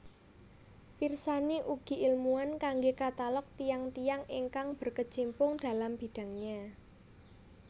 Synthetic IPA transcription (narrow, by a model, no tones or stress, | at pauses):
pirsaniʔuɡ̥i̤ʔilmuankaŋɡekat̪alɔk̚t̪ijaŋt̪ijaŋiŋkaŋb̥ə̤rkə̥d͡ʒ̥impʊŋd̥a̤lamb̥i̤d̥ä̤ŋɲa